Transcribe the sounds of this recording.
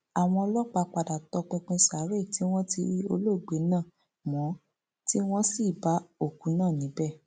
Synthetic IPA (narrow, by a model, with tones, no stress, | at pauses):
a˨w̃ɔ̃˧ɔ˧lɔ˦k͡pa˧k͡pa˧da˨tɔ˨˧k͡pũ˧k͡pũ˧sa˨˦ɾe˦˨ti˨˦w̃ɔ̃˦ti˧ɾi˦o˧lo˦˨ɡ͡be˨˦nãː˦˨ | mɔ̃˨˦ | ti˦w̃ɔ̃˦si˦˨ba˨˦o˦˨ku˨˦nãː˦˨nĩ˨˦bɛ˦˨